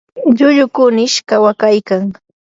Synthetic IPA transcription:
ʎʊʎʊkʊnɪʃkawakajkaŋ

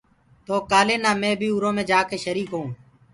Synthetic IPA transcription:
t̪oːkaːlẽːnaːmẽːbʱiːuɾõːmẽːd͡ʒaːkeːʃəɾiːkɦõː

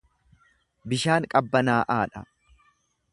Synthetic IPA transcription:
bɪʃaːŋkʼɐbːɐnaːʔaːᶑɐ̰

